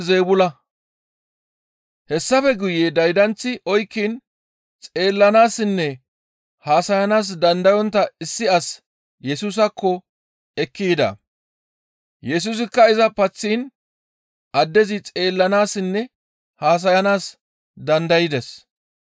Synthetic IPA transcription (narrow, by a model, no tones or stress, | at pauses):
zeːbʊlɐ | hɛsːɐfɛɡʊjed̪ɐjd̪ɐnt͡sːɪʔɔjkːiːn | t͡sʼe̞ːlːɐnaːsɪnːɛ | haːsɐjɐnaːs̬d̪ɐnd̪ɐjɔnt̪ːɐɪsːɪɐs | jɛsuːs̬ɐkʰːɔ | ɛkːiːd̪ɐ̰ | jɛs̬uːs̬ɪkːɐɪzɐpɐt͡sːiːn | ʔɐd̪ːɛzɪt͡sʼe̞ːlːɐnaːsɪnːɛ | haːs̬ɐjɐnaːs | d̪ɐnd̪ɐjɪd̪ɛs